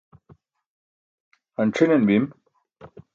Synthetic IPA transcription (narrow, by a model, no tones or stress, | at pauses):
ɐnʈ͡ʂʰinenbim